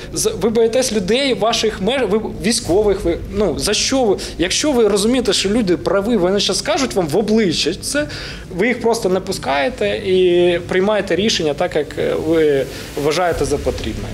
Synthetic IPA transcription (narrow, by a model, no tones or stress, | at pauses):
zɐʋɪbɔjɛt̪ɛsʲlʲʊd̪ɛjʋɑʃɪxmɛʋɪʋʲijsʲkɔʋɪxʋɪ | nuzɐʃt͡ʃɔʋ | jɐkʃt͡ʃɔʋɪɾɔzʊmʲijet̪ɛʃt͡ʃɔlʲud̪ɪpɾɐʋɪʋɔnɪt͡ʃɑskɑʒʊtʲʋɑmʋɔblˠɪt͡ʃːɐtʲt̪sɛ | ʋɪjixpɾɔst̪ɔnɛpʊskɑjet̪ɛipɾɪjmɑjet̪ɛɾʲiʃenʲːɐt̪ɑkjɐkʋɪ | ʋɐʒɑjet̪ɛzɐpɔt̪ɾʲḭbnɔ̰j